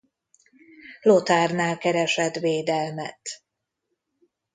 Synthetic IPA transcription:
lot̪aːrnaːlkɛɾɛʃɛt̪ʋeːd̪ɛlmɛt̪

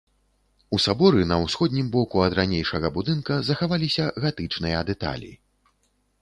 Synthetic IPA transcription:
usabɔɾɨnɐwsxɔd̪ʲnʲimbɔkuɐd̪ɾanʲejʂɐɣɐbud̪ɨnkɐzɐxavalʲisʲɐɣat̪ɨt͡ʂnɨjɐd̪ɛt̪a̰lʲḭ

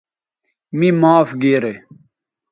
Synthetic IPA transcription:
mimaːfɡeːɾe

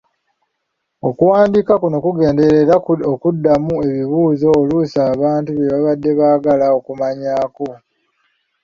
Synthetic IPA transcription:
o̞kuwaːndiːkakuno̞kuɡe̞ːnde̞ɾeɾaokudːamue̞βiβuːzo̞ːlusaːβaːntuβje̞βaβadːe̞βaːɡalao̞kumaɲaːko̞

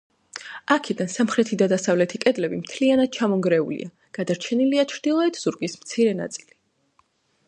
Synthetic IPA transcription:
akʰid̪ansamχɾɛt̪ʰid̪ad̪asavlɛt̪ʰikʼɛd̪lɛbimt̪ʰlianad̪̥̚t͡ʃʰamɔŋɡɾɛṵlḭa | ɡ̥ad̪aɾt͡ʃʰɛniliat͡ʃʰɾd̪̥ilˠɔɛt̪ʰz̥uɾɡismt̪sʰiɾɛna̰t̪sʼili

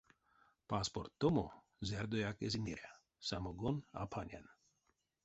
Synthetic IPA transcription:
paspoɾt̪ːomo | zɛɾd̪ojakeziniɾʲa | samoɡona̰pʰanʲa̰n

